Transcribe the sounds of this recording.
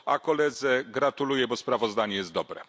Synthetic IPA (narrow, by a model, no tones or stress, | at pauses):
a̰kɔlɛd̪zɛɡɾat̪ulujɛbɔspɾavɔzd̪aɲɛjɛst̪d̪ɔbɾɛ̰